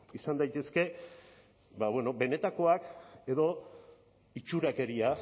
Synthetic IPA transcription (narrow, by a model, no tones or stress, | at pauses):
isand̪ajt̪e̞ske̞ | baβwe̞no̞be̞ne̞t̪ako̞ake̞ðo̞ | it͡ʃuɾake̞ɾia